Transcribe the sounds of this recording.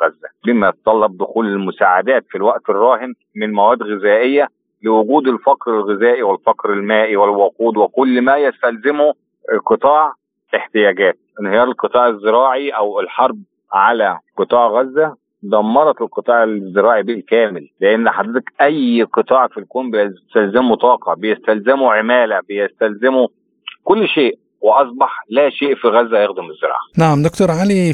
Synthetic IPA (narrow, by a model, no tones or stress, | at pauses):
ɣæzːæbiːmæjɑt̪ɑt̪ˤɑlːɑb̚d̪ʊxuːlelmʊsaːʕad̪æːt̪filwæʔt̪erˤːɑːhɪn | mɪnmæwæːd̪ɣɪzæːʔejːæ | lɪwʊɡuːd̪elfɑqɾelɣɪzæːʔiwɪlfɑqɾelmæːʔiwelwɑquːd̪wekʊlːmæjæst̪ælzɪmo | qɨt̪ˤɑːʕ | eħt̪ɪjæːɡæːt̪̚ʔɪnhɪjɑːɾˤelqɨt̪ˤɑːʕezːɪɾˤɑːʕiʔæwɪlħɑɾˤb̚ | ʕalæqɨt̪ˤɑːʕɣæzːæ | d̪ˤɑmːɑɾˤɑt̪elqɨt̪ˤɑːʕelzːeɾˤɑːʕibilkæːmɪlːeʔenːħad̪ːæt̪ækʔæjːqɨt̪ˤɑːʕfilkoːmbet̪ælzemut̪ˤɑːqɑbejest̪ælzemuʕemæːlæbejest̪ælzɪmo | kolːʃeːʔ | weʔɑsˤbɑħlæːʃeːʔfiɣæzːæjexd̪omɪzːeɾˤɑ̰ʕanaʕamd̪okt̪oɾˤʕali